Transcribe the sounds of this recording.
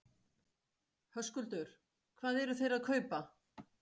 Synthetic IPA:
hœskʏlt̪œɾ̥ | kʰvaːðɛɾʏθejɾaðkʰœːɥpa

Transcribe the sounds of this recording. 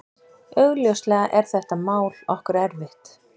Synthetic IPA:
œɣljœwst̪lɛːɣaʔɛɾ̥θɛht̪amaːwlɔhkʏɾɛɾvɪht̪

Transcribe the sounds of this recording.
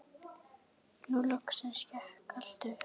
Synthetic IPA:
nulɔksɛnscɛhkal̥t̪ʏ

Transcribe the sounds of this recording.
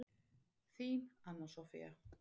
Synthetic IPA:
θiːnanɔsɔfḭa̰

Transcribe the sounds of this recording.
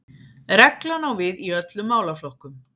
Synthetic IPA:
ɾɛklanawvɪðiœt̪lʏmːaːwlaflɔhkʏm

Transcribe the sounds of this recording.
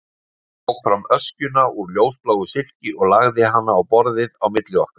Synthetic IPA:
ɔwɣfɾamœscʏnauɾljoːwsplawɣʏsɪl̥cɪɔɣlaɣðɪɦanːaːwpɔɾðɪðawmɪt̪lɪɔhkḁ

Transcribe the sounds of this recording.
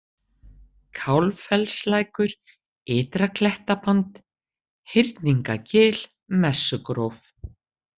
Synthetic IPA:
kʰawlfɛlslajkʏɾ | ɪːt̪ɾakʰlɛht̪apant̪ | hɪɾt̪niŋkacɪːl̥ | mɛsːʏkɾowf

